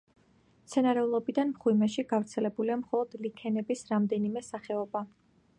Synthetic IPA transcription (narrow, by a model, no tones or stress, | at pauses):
t̪sʰɛnaɾɛulˠɔbid̪anmχwimɛʃiɡavɾt̪sʰɛlɛbuliamχɔlˠɔd̪likʰɛnɛbisɾamd̪ɛnimɛsaχɛɔba